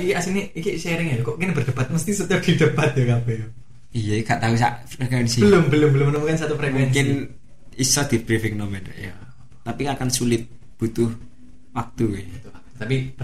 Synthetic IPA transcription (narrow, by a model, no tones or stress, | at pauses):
ikiasiniikiseɾɪŋajkɔʔkinbərd̥əbat̪̚məst̪isut̪ad̥id̥əbat̪̚jokapɛjo | ijaɡaʔt̪ausa̰ʔeknsibəlʊmbəlʊmbəlʊmːənumukansat̪upɾekɛkɪn | isɔd̪̥i̤b̥ɾifɪk̚nomɛn̰ja | t̪apiŋakansulɪt̪̚ | b̥ṳt̪ʊh | wak̚t̪uwet̪ua | t̪api